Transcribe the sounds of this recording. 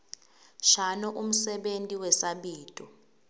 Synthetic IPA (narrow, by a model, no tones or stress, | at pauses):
ʃanɔʔum̩sɛɓentʼiwɛsaɓiːtʼɔ